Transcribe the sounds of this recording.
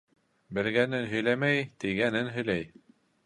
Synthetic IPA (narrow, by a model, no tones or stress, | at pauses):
bɘ̆lɡænɘnɦɵ̆jlæmæjt̪iɡænɘnɦɵ̆jlæj